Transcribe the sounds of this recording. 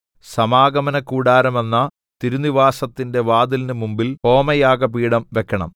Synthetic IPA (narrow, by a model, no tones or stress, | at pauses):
sɐmaːɡɐmɐnɐkːuːɽaːɾɐme̞nːɐ | t̪iɾuniʋaːsɐt̪ːinde̞ʋaːd̪ilinɨmumbilo̞ːmɐjaːɡɐpiːɽɐmʋe̞kːɐɳɐ̰m